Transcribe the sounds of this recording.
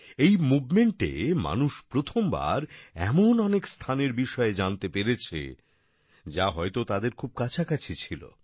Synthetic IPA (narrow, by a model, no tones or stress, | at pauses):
ejmubʱmeɳʈḛma̰nuʃpɾot̪ʰomba̰ɾɛ̰monɔnekst̪ʰaneɾbiʃɔed͡ʑant̪epeɾet͡ɕʰḛ | d͡ʑaɦɔet̪ot̪ad̪eɾkʰub̚kat͡ɕʰakat͡ɕʰet͡ɕʰilo̰